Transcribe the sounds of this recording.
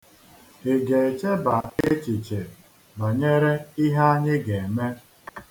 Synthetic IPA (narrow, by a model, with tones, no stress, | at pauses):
e˨ɡe˨e˨t͡ʃe˦ba˨e˦t͡ʃi˨t͡ʃe˨ | ba˨ɲe˦ɾe˦i˦ɦa˦a˦ɲɪ˦ɡe˨e˨me˦